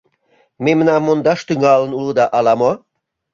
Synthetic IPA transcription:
memə̆nɑmːond̪ɑʃt̪yŋɑlə̆nulˠɤd̪ɑʔɑlɑmo

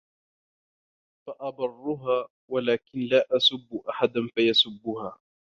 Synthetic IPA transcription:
faʔɑbɑrˤːʊɦaː | walaːkɪnlaːʔasʊbːʊʔaħad̪anfajasʊbːʊhaː

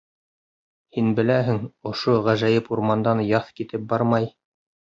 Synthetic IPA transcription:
hinbɘ̆læɦɘŋŏʃoʁæʒæjɘpuɾmɑnd̪ɑnjɑθkit̪ɘp̚bɑɾmɑj

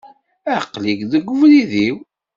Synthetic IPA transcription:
æqliɡðəɡʷːʊvliðiw

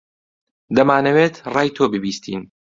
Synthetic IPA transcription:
d̪ɐmaːnɐweːt̪ʰrɑːjt̪ʰoːbɨbiːst̪ʰḭːn

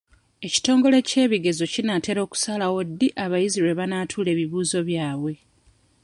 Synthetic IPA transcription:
e̞ci̥to̞ːŋɡo̞le̞ce̞ːβiɡe̞zo̞cinate̞ɾo̞ːku̥salawo̞dːiʔaβajiziɾe̞βanaːtʰuːle̞ːβiβuːzo̞βjaːβwe̞

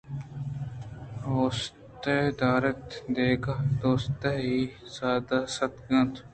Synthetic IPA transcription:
oːs | t̪ed̪aːɾət̪d̪eːɡad̪oːst̪eɦiːsaːd̪asɐt̪ɡɐ̃nt̪

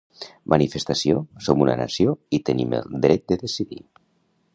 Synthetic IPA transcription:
mʔanifest̪asiosomunana̰sioit̪ənimə̰lˠd̪ɾɛt̪̚d̪əðesiðḭ

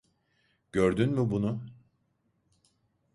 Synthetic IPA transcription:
ɟ̥øɾd̪ynmɪbunʊ

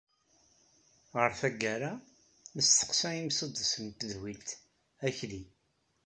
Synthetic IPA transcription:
ʁəɾθæɡːæɾa | məst̪ːə̥qsæimsəd̪ˤsənt̪əðwilt̪ | æçli

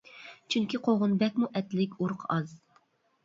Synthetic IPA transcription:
t͡ʃʰyŋkʲiqʰoʁʊnbɛkʲmuʔɛt̪lɪkʲuɾqʰɑz̥

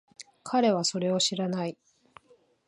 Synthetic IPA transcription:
kʰaɾe̞βaso̞ɾe̞o̞ɕiɾanai

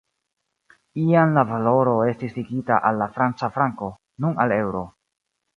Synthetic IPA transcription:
ianlavalo̞ɾo̞e̞stisliɡita̰ʔalːafɾant͡safɾaŋko̞ | nunale̞wɾo̞

